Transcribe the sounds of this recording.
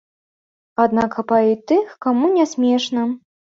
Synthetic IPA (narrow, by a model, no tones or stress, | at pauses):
ad̪nakɐpait̪ɨxkamunʲɛsʲmʲɛʂnɐ